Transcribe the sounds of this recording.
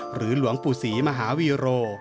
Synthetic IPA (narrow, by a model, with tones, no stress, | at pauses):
ɾɯː˩˦lu˩˦əŋpuː˨˩siː˩˦ma˧ɦaː˩˦wiː˧ɾoː˧